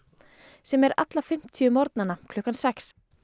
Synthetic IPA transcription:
sɛmɛɾa̰t̪lafɪm̥t̪ʰiʏmɔɾt̪̚nanakʰlɔhkansɛks

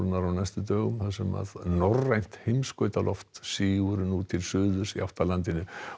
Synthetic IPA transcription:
lnaɾanajst̪ʏt̪œːɣʏmθaðsɛma̰ðnɔrajn̥t̪hejmskœːɥt̪alʔɔft̪siːɣʏɾʏnut̪ʰɪlsʏːðʏɾ̥siaft̪alant̪ɪnʏ

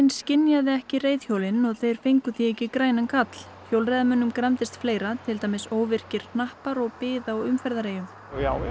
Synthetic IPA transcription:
nscɪnjaðɪɛhcɪreːjðçjoːwlɪnɔɣθejɾ̥feŋkʏθiɛjcɪkɾaːjnankʰat̪l̥ | çjoːwlrɛjðamʏnːʏmkɾamt̪ɪst̪fleːjɾat̪ʰɪlt̪aːjmɪsoːwvɪr̥cɪɾ̥nahpaɾɔɣpɪːðaɔɣʏmfɛɾðaɾeːjʏm

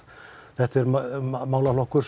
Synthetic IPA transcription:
θɛht̪ɛɾmaːwlalohkːʏɾ̥s

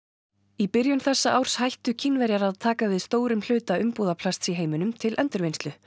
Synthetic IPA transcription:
ipɪɾjʏmθɛsːaʔawɾ̥shajht̪ʏcʰinːvɛɾjaɾaðt̪ʰaːkavɪðst̪oːwɾʏml̥ʏːt̪aʏmpuːðapʰlast̪siɦeːjmʏnʏmt̪ʰɪlʔɛnt̪ʏɾvejnst̪lʏ

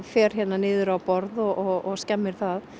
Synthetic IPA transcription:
fɛːɾ̥çɛt̪nanɪːðʏɾawpɔɾðɔɣɔɣɔɣscɛmːɪɾ̥θað

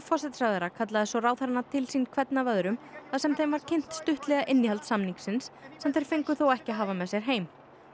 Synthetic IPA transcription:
fɔsɛt̪saɣðɛɾakʰat̪̬laðɛsɔraːwθɛɾnːat̪ʰɪlsinkʰvɛt̪navœðɾʏmθasɛmθejnvaɾ̥cʰejn̥t̪st̪ʏht̪lɛɣaʔɪnːɪhalt̪samniŋksɪnsːɛmθejɾ̥fejŋkʏθowɛhcɪɦaːvamɛðsjɛɾ̥ɦeːjm

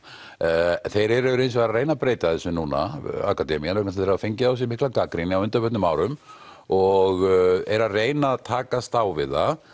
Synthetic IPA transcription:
θejɾɛɾɛvʏɾejnsvaɾareːjnapɾeːjt̪aðɛsʏnuːna̰a̰kat̪ɛmianœknasθeɾavafejɲcɪaws̬jɪmɪhklakakɾinɪawʏnt̪apœt̪nʏmaːwɾʏm | ɔɣɛɾareːjnat̪ʰaːkast̪awvɪða

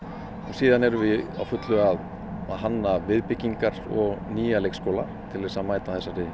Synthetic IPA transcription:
ɔsiːðanɛɾʏvɪa̰wfʏt̪lʏɣað | aðɦanːavɪðpɪcːiŋkaɾ̥ɔɣniːjalejkskowla | t̪ʰɪlɛsaðmaːjt̪aθɛsːaɾɪðɪ

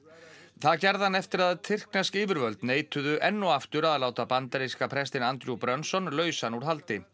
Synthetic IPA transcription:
θaðcɛɾðanːɛft̪ɪɾaðt̪ʰɪr̥knɛskiːvʏɾvœlt̪neːjt̪ʏðʏʔɛnːʊaft̪ʏɾaðlaːwt̪apant̪aɾiskapʰɾɛst̪ɪnant̪ɾjupɾœnsɔnlœːɥsanuɾ̥ɦalt̪ɪ

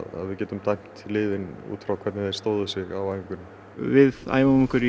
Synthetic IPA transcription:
a̰ðvɪðcɛːt̪ʏmt̪ʰajkt̪ʰːɪlːɪːðɪnṵːt̪fɾawkʰvɛɾt̪nɪθejɾ̥st̪oːwðʏsɪɣawajŋkʏn | vɪða̰ːjmamɪŋkʏɾi

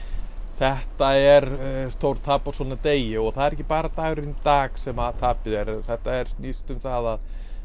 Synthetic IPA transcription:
θɛht̪aɛɾst̪owɾt̪ʰapːḁsɔːnat̪eːjɪɔɣθaðɛɾɛcɪpaːɾat̪aːɣɾɪnt̪aːksɛmat̪ʰaːpɪðɛɾθɛht̪aɛɾ̥snist̪ʏmθaːðað

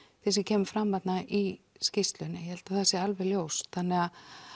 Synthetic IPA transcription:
θis̬ɪcʰɛːmʏfɾamːat̪naʔi | scɪst̪lʏnːɪjɛhɛlt̪aθɛsjɛalvɛɣljowsθanːɛɣa

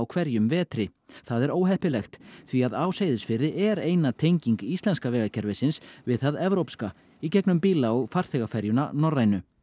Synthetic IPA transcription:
wkʰvɛɾjʏmvɛːt̪ɾɪθaðɛɾoːwɦɛhpɪlɛxt̪θviaðaːwsejðʏsfɪɾðɪʔɛɾeːjnat̪ʰejɲciŋkist̪lɛnskavɛːɣacʰɛɾvɪsɪnsvɪðθaðɛvɾowpska | icɛknʏmpiːlaɔɣfaɾ̥θɛɣafɛɾjʏna̰nɔrːajnʏ

